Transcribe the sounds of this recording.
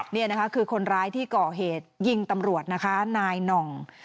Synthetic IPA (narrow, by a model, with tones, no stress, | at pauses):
ni˥˩ɐn˦˥kʰa˦˥kʰɯː˧kʰo˧nɾaː˦˥jt̪ʰiː˥˩kɔː˨˩ɦeː˨˩t̪̚ji˧ŋt̪a˧mɾu˨˩ət̪̚na˦˥kʰa˦˥naː˧jnɔ˨˩ŋ